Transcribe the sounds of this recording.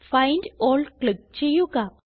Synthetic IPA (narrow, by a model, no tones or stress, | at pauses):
fɐjndoːɭklɪk̚t͡ɕejːuɣɐ